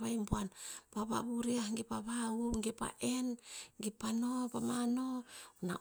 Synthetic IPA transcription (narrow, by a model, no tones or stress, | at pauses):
βajmpuanpaβa̰βuɾiahŋɡipaβauŋɡipa̰ʔenɡipanopamanona̰